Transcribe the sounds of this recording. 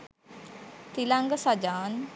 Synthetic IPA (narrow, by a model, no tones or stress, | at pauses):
t̪ilaŋɡəsad͡ʒaːn